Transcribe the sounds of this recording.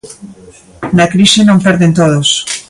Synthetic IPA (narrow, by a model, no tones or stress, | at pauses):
nakɾiʃenõmpɛɾðent̪oð̞os